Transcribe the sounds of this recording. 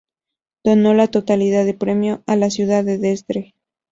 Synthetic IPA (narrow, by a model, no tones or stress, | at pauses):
d̪̥o̞no̞lat̪o̞t̪aliðaðepɾe̞mjo̞alasjuðaðeðest̪ɾe